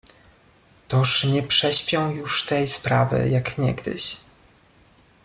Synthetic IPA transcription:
t̪ɔʂɲɛpʂɛɕpʲjɔ̃w̃juʂt̪ɛjspɾavɘ̰jakɲɛ̰ɡd̪ɘ̰ɕ

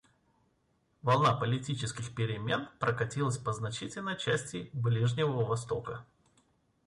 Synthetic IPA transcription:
vɐlˠnapəlʲɪtʲit͡ɕɪskʲɪxpʲɪɾʲɪmʲe̞npɾʔəkɐtʲilˠəsʲpəznɐt͡ɕitʲɪlʲnəjt͡ɕæsʲtʲɪblʲiʐnʲɪvəəvɐst̪o̞kə

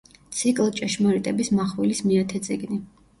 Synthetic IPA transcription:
t̪sʰikʼlˠt͡ʃʼɛʃmɔɾit̪ʼɛbismaχwɛlismiat̪ʰɛd̪sʼiɡni

